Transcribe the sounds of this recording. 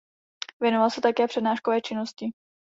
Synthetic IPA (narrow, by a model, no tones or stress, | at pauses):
vjɛnovalsɛt̪akɛːpr̥ɛdnaːʃkovɛːt͡ʃɪnoscɪ